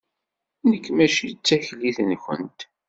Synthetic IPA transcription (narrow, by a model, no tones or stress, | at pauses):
nəkːmæʃit͡sːæçliθnçə̰nt̪